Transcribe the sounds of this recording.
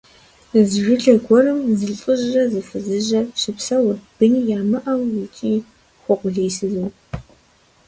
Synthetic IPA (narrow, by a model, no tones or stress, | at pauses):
zʒʷᶣʊɬɐɡʷɔɾɨmzɨɮɬʼɨʑrɐzɨfɨzɨʑɐɕɪpsɐwʊrb̥ɨnijaːmɨʔɐwwitʰʼiː | χʷɔqʷʊɮejsɨzu